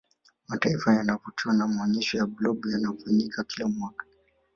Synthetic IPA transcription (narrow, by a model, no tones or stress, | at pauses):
mataifajanavɔt͡ʃuanamaɔɲiʃɔjablɔbjanafaɲikakilamɔkḁ